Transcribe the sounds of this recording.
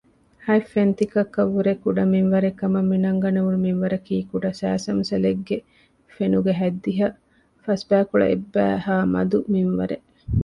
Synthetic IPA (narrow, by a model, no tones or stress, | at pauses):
hɐjfent̪ikɐkːɐʋːuɾekuɖɐminʋɐɾekːɐmɐmːinɐŋɡɐnɐʋunuminʋɐɾɐkiːkuɖɐsæ̰ːsɐmsɐleɡːe | fenuɡeɦæd̪ːiɦɐ | fɐsbæːkuɭɐ̰ʔebːæ̰ːɦaːmɐ̰d̪uminʋɐɾe